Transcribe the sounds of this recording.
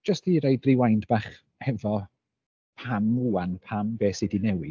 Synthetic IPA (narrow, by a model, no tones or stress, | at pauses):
d͡ʒ̥əstiɾejdriwajndb̥aːχ | hɛvɔ | pʰamːuanpʰambeːsɪdinɛwi